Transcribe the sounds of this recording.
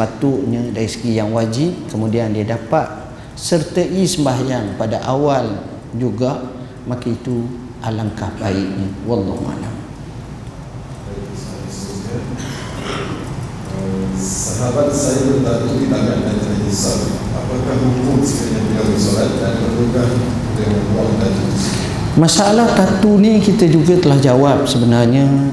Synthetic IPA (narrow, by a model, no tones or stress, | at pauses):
pat̪ʊʔɲədaɾisə̥ɡijaŋwad͡ʒip̚kəmudiandiadapat̪̚ | sərt̪əʔisəmbaɦajanpadaʔawal | d͡ʒuɡaʔ | makait̪u | ʔalaŋkahbaiʔ̚nəwɑlːɑhṵa̰la̰m | kait̪əsaat̪əsuskan | əsəɦabat̪̚sajabənt̪at̪uibaɡan̚dant̪ɾiʔisalapəkahmukʊt̪sə̥kaɲapilabəsolat̪̚danamukah | dəŋanuaŋt̪ad͡ʒu | masaalahk̪at̪unikit̪əd͡ʒuɡat̪əlahd͡ʒawap̚səbənarɲə